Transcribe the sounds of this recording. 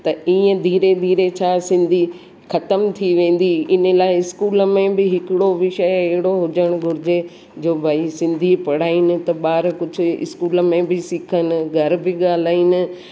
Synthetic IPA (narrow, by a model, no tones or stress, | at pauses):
t̪ɐiːə̃d̪ʱiːɾed̪ʱiːɾet͡ɕʰaːsɪ̃nd̪ʱi | xɐt̪əmt̪ʰiʋẽːn̆d̪iɪnəlaːɪɪskuːlə̆mẽbɪɦɪkɪɽoʋɪʃəjɛɦɪɽoɦʊd͡ʑəɽ̃ɡʱʊɾɪd͡ʑe | d͡ʑoːbʱaːisɪ̃nd̪ʱipɐɽ̤aːinɪ̆t̪ɐɓaːɾkʊd͡ʑʱʊ̆ɪ̰skuːlə̆mẽbɪsikʰənɪ̆ɡʱɐɾbɪɠaːl̤aːinɪ̆